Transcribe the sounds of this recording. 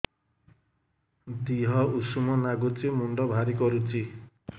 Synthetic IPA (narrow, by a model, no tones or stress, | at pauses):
d̪iɦɔusumɔnaɡut͡ʃimuɳɖɔbʱaɾikɔɾut͡ʃʰi